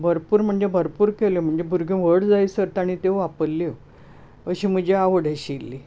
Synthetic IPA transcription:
bʱəɾpuːɾm̤əɳd͡zebʱəɾpuːɾkeljom̤əɳd͡zebʱuɾɡʱjũʋəɽd͡zaisəɾt̪aɽ̃it̪ewʋapəɾli | əɕiːm̤əd͡ʑeaʋəɽeɕilːi

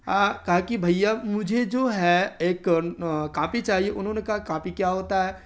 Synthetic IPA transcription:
akɐɦakibʱɐijamʊd͡ʒʱed͡ʒoːɦɛeːkkãːpit͡ʃaːɦieʔʊnɦõːnekaɦakãːpikjaɦoːt̪aɦɛː

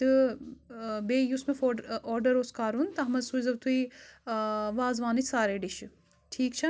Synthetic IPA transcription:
t̪ɨ | beːjusmefoɔːɾɖɐɾoːskaːɾunt̪ɐɦmɐd̪suːizɐbt̪ui | ʋaːzʋaːnit͡ʃsaːɾeːɖiʃ | ʈʰiːkt͡ʃʰɐ

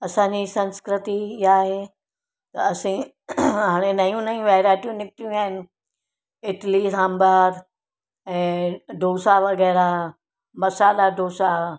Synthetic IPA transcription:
ɐsãːɲd͡ʑisɐ̃nskɾɪt̪iaːɦe | t̪ɐɐsĩ | ɦaːɽ̃enɐjũnɐũʋɛːɾaːʈijũnɪkʈijũaːɪnɪ̆ | ɪʈlisãːmbaːɾ | ɛ̃ːɖʱoːsaʋɐɡɛːɾa | mɐsaːlaɖʱoːsa

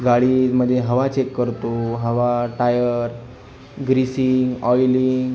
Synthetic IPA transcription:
ɡaɭim̤əd̪ʱeɦəʋat͡ɕekːəɾt̪oɦəʋaʈajəɾ | ɡɾisiŋɡɔjliŋɡ

